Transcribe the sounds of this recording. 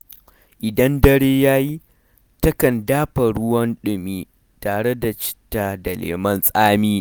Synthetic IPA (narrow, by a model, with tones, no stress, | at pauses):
ʔɪ˨dɐ˦ndɐ˦ɽeː˦jaː˦ji˦ | tɐ˦kɐ˨ndaː˦ɸɐ˨ɽʊ˦wɐ˦nɗʊ˨miː˦ | taː˨ɽe˦da˨t͡ʃɪ̥˦tːaː˨da˨lḛː˨mɐ˦nsʼaː˦miː˦